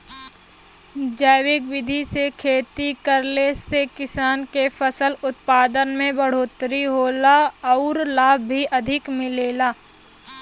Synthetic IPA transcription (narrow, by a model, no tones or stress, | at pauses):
d͡ʒɛːwɪkwɪd̪ʱisekʰeːt̪ikəɾlesekɪsaːnkefʰəsəlʊt̪̚paːd̪ənmẽbəɽ̤oːt̪ɾiɦoːlaɔːɾlaːbʱːiʔɐd̪ʱɪkmɪleːlaː